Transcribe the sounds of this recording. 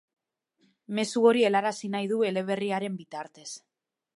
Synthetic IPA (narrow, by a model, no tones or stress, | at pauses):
me̞suo̞ɾie̞laɾasinajðue̞le̞β̞e̞riaɾe̞mbit̪aɾt̪e̞s